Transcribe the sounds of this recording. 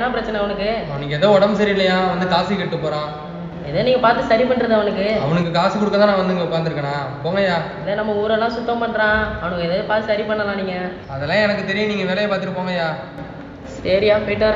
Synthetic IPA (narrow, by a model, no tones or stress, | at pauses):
nãːpɪɾɐt͡ʃːɐnɛɐʋɐnɯkːɯɐʋɐnɯkːɯɛðɐːɔɽɐmsɐɾɪlːɐjaːʋɐnd̪ɯkaːsikɐʈːɯpːoːɾãː | ɛðeːniːŋɡɐpaːɾt̪ːɯsɐɾipɐɳːɾɐðɯɐʋɐnɯkːɯɐʋɐɳɯkːɯkaːsikɔɽɯkːɐt̪ãːnãːʋɐnd̪ɯɪŋɡɐʊkːaːɾnd̪ɯɾɯkːɐɳãːpoːŋɡɐjaːɪðeːnɐmːɐuːɾɐlːãːsʊt̪ːɐ̃mpɐɳːɾãːɐʋɐnɯkːɯɛðɐɯpaːɾt̪ːɯsɐɾipɐɳːɐlãːniːŋɡɐ | ɐðɛlːãːɛnɐkːɯt̪ɛɾɪjɯ̃niːŋɡɐʋeːlɐjɐpaːɾt̪ɪʈːɯpːoːŋɡɐjaː | sɐɾɪjaːfiʈːɐ